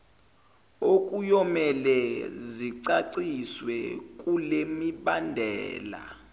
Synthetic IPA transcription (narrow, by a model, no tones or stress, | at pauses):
ok̬ʼujɔmɛlɛziǀaǀiswɛkʼulemiɓandʱɛ̰ːla̰